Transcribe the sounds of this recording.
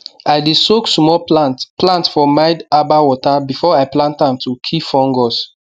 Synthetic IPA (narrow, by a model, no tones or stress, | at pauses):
ajdisoksmɔplãntfɔmaɪdabawɔtabifɔajplãntãmtukʰifɔ̃ŋɡɔs